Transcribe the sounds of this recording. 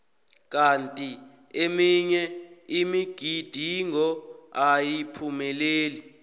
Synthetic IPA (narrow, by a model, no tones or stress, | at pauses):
k̬ʼantʼi | emiɲɛimiɡ̥ʱid̥ʱiŋɔajipʰumɛleːli